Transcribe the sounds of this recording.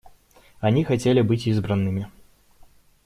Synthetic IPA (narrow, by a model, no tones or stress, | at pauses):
anʲixat͡sʲelʲibɨt͡sʲizbɾɐnːɨmʲi